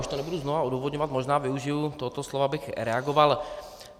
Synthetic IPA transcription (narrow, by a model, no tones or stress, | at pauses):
uʃt̪oɲɛbuduznovaod̪uːvod̪ɲɔvat̪moʒnaːvɪuʒɪut̪oɦɔt̪oslovabɪxɾɛaɡoval